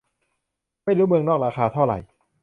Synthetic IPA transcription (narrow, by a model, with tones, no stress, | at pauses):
ma˥˩jɾuː˦˥mɯ˧ŋnɔː˥˩k̚ɾaː˧xaː˧t̪ʰa˥˩wɾa̰˨˩j